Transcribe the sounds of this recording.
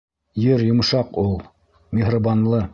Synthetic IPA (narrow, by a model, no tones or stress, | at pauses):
jɘɾjŏm̆ʃɑqulˠ | mʲɪɦrabɑnlˠɤ